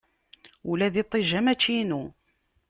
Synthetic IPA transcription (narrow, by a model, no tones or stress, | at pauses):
ulæðit̪ˤːiʒæmæt͡ʃːinu